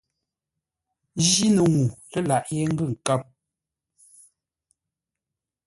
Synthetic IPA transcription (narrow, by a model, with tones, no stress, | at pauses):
d͡ʒi˦nə˨ŋu˨lə˦la˨ʔje˦ŋ̩˦ɡʉ˦˨ŋ̩˨ka˦p̚